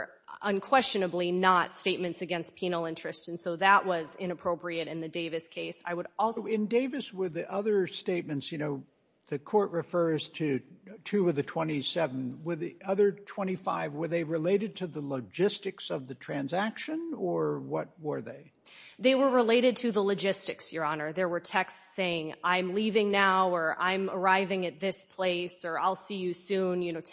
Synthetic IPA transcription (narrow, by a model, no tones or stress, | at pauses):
ə̃nkʰw̥ɛst͡ʃɨnɨblinətsteɪt̚mɨ̃ntsɨɡɛ̃ns̚pʰĩnl̩ˠɪ̃nt͡ʃɹ̥ɨstɨ̃n̩soʊðəʔ̚wʌzɪ̃ñɨpʰɹ̥oʊpɹiɨɾɨ̃nðɨdeɪvɨskʰeɪsa̰ɪwəɾɔɪ̃ndeɪvɨswə˞ðiʔʌðə˞steɪt̚mɨ̃ntsjɨñoʊ | ðɨkʰɔɹʔ̚ɹɨfɜ˞z̥tʰɨtʰʉʌðɨtʰw̥ɛ̃ɾ̃isɛṽn̩wə˞ðiʌðə˞tʰw̥ɛ̃ɾ̃ifa̰ɪvwə˞ðeɪɹɨleɪɾɨd̚tʰɨðələd͡ʒɪstɨksʌvðɨtʰɹ̥æ̃nzækʃɨ̃nə˞wʌt̚wə˞ðeɪ | ðeɪwə˞ɹɪleɪɾɨd̚tʰɨðələd͡ʒɪstɨksjə˞ɑnə˞ðə˞wə˞tʰɛkstseɪɪ̃ŋãɪ̃mlivɪ̃ŋnaʊə˞ʔã̰ɪ̃mə˞aɪvɪ̃ŋɨt̪̚ðɪspʰl̥eɪsə˞aɪlˠsijɨsʉ̃njɨñoʊt